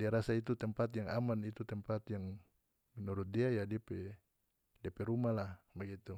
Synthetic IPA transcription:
diaɾasait̪̬ut̪ɛmpat̪jaŋa̰manit̪ut̪əmpat̪jaŋ | mɛnuɾut̪̚diajadiapɛ | diapɛɾumalahbaɡit̪u

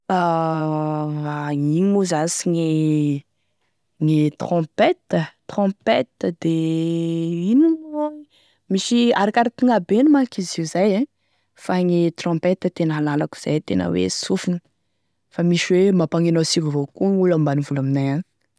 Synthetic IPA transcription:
a | aiŋuzasiŋe | ŋet̪χɔ̃pet̪ət̪rɔ̃pet̪əd̪e | inino | miʃiaɾakʲaɾat̪iŋabenumakiziuzajẽ | faŋet̪rɔ̃pet̪ət̪enəalalaku̥z̥ajt̪enə̰wḛsufini̥ | famiʃiwemapaŋenosivəvokuŋulambanivulaminajan

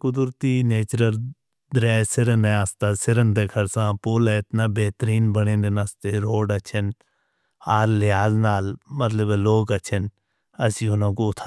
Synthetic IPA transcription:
kʊd̪ʊɾt̪iːneːt͡ʃɾəɾ | d̪ɾɛːsɪɾənẽaːst̪aːsɪɾənd̪ekʰəɾsãːpoːlɛɪt̪naːbeːt̪ɾiːnbəɽẽːnd̪enast̪eɾoːɖɐt͡ʃʰən | aːɾlɪɦaːznaːlmət̪ləbloːɡɐt͡ʃʰən | ɐsĩːʊnãːkoʊt̪ʰː

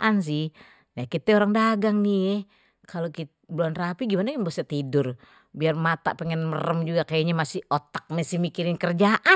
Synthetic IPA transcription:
ʔans̬ɪh | jakit̪ɛoɾaŋdaɡaŋniɛ | kalokit̪ | bloanrapiɡimanakanbosat̪idʊr | biarmat̪a̰ʔpɛŋɛnmərəmd͡ʒuɡakajaɲamasɪot̪ḁk̚mɛsihmikiɾɪnkərd͡ʒaʔa

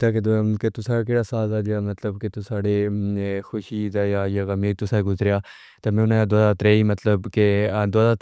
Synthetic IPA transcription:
t̪aːked̪ket̪ʊsaːkeːɽaːsaːzaːd͡ʒaːmət̪ləbkɪt̪ʊsaːɽeːxʰʊʃiːt̪aːaːaːkameːt̪ʊsaːɡʊzɾɪjaː | t̪aːmɛ̃ːʊnãd̪oadaːt̪ɾeːiːmət̪ləbked̪oaːdaː

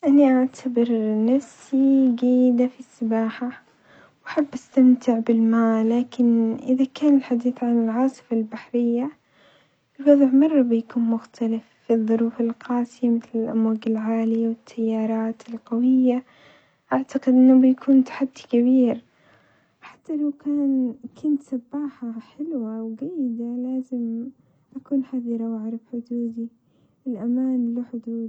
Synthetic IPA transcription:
ʔaniʔaʕt̪ʰabɪɾnafsiɡiːd̪afisːɪbaːħa | wʔaħabːʔast̪amt̪ɪʕbɪlmaːlaːkɪnʔɪðakaːnɪlħad̪iːθʕanɪlʕɑːsˤɨ̥falbaħɾɪjːa | ɪlwɑðˤʕmɑrˤːɑbɪjakuːnmʊxt̪ʰalɪfːiðˤːʊɾuːfɪlqɑːsɪjamɪθlɪlʔamwaːɡɪlʕaːlijawɪt̪ʰːajːɑːɾˤɑːt̪ɪlqɑwɪjːa | ʔaʕt̪aqɪd̪ʔɪnːʊbɪjakʰuːnt̪ḁħad̪ːikabiːɾ | ħḁt̪ːalawkaːnkʰʊnt̪sabːaːħaħɪlwawɡajːɪd̪alaːzɪm | ʔakuːnħaðiɾɑwaʕɾˤɪbħʊd̪uːd̪i | ɪlʔamaːnlaħʊd̪uːd̪

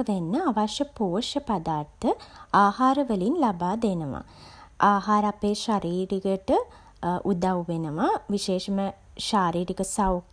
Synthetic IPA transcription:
ʋenːəaʋɐʃɐpoːʂɐpad̪aːrt̪ʰəaːhaːɾɐʋəlinlabaːd̪enəʋa̰ | aːɦaːɾapeʃaɾiːɾiɡəʈɨ | ʔud̪aʋwʋenɐʋaʋiʃeːʂɐmə | ʃaːɾiːɾikɐsaw

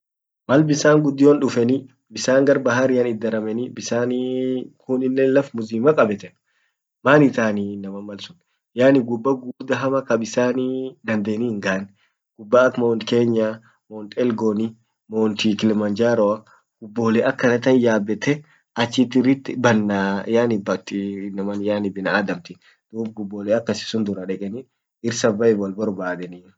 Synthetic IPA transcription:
mɐlbɪsaːŋɡʊd̪ːɪjoːnᶑʊfɛni | bɪsaːŋɡɐɾbɐɦaɾɪjɐnɪd̪ːɐɾɐmɛnibɪsaːnikʰʊnɪnːelɐfmʊziːmɐkʼɐbɛt̪ɛn | maːnɪt̪aːninɐmɐmːɐlsʊ̥n | jaːnɪɡʊbːɐɡuːbd̪ɐɦɐmɐkɐbɪsaːnid̪ɐnd̪eːniːhɪŋɡaʔɐn | ɡ̥ʊbːaːkːmoːnt̪ke̞ːɲːa | mɔːnt̪ʼɛlɡonɪ | mɔːnt̪ikɪlɛmɐnd͡ʒaːɾɔɐ | ɡ̥ʊbːoːlɛʔɐkːɐnɐt̪ɐnjaːbːɛt̪ɛ | ɐt͡ʃːɪt̪ːɪrɪt̪ːɪbɐnːajaːnɪbɐt̪ːɪnːɐmɐnjaːnɪbɪnɐaːd̪ɐmt̪ɪ | d̪̥uːbɡʊbːoːlɛɐkːɐsɪ̥sʊnd̪ʊɾɐᶑɛkʼɛni | ɪɾsɐbɐɛbwɐlbɐɾbaːd̪ɛni

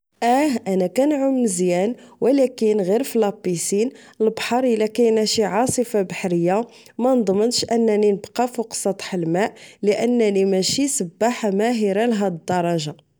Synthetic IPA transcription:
ʔæhʔænækænʕʊmnəzjænwəlækənɣiɾflɑpːisin | əlbħɑɾˤəlækænæʃiʕɑsˤəfabaħɾəjːa | mænd̪ˤmənʃʔənːæninəbqɑfuqsˤɑt̪ˤħəlmæʔləʔənːænimæʃisəbːaħamæɦiɾalɦæd̪d̪ːɑɾˤɑʒa

